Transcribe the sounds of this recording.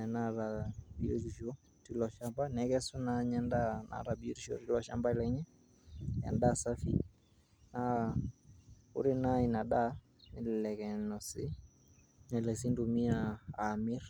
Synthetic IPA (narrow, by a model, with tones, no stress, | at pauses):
ɛ˨na˦ɾa˨bie˦ɾi˨ʃo˦ | ti˦lɔ˨ʃa˦mba˦nɛkɛ˦su˦naɲɛ˦nda˦nʔa̰˨ɾa˨bi˦ɾi˦ʃo̰˨ɾi˦lɔ˨ʃamba˦lɛ˨ɲɛ˦ | jɛ̰˨nda˦sa˦fi˦ | na | ʊ̰˦ɾɪ˦na˦i˨na˨ɗa˦ | nɪ˨llɛ˨kɛ˨nɔ˨sɪ˦ | ɲɛ˨lɛ˨si˦ndu˨mi˦aː˨mɪ˦r